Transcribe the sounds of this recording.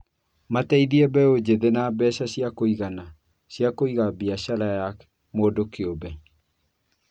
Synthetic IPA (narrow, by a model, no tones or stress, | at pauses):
mataiðiɛbɛod͡ʑeðenabɛɕaɕjakoiɣana | ɕjakoiɣabiaɕalajak | moːdokeobɛ